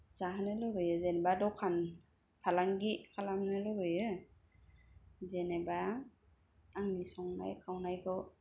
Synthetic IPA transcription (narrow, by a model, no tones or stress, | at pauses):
zahanɯlɯɡɯjɯzenbadɔwkʰan | kʰalaŋɡikʰalamnɯlɯɡɯjɯ | zeneba | ŋnisɔŋna̰jkʰawnajkʰɯw